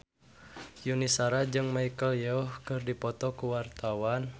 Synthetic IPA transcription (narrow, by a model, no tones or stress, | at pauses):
junisaɾad͡ʒɨŋmaikəljɛɔhkɨrdipɔt̪ɔkuwart̪awan